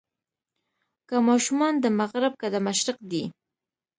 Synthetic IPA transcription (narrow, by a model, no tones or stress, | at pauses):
kamɑʃumɑnd̪əmaɣɾab̚kad̪amaʃɾɪqd̪i